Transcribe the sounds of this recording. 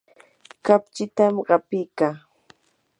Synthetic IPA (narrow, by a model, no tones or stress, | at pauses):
kap̚t͡ʃɪt̪amɢɑpɪkaː